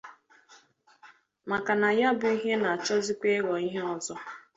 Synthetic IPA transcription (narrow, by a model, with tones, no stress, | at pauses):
ma˨ka˨na˨ja˦bʊ˨i˦ɦe˦na˨a˨t͡ʃɔ˦zi˦kʷe˦ɣɔ˨i˦ɦe˦ɔ˨zɔ˦